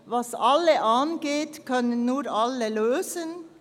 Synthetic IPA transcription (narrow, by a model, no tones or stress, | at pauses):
vɑsɑlːəʔɑnɡeːtkʰœnənːuːɾʔɑləløːzən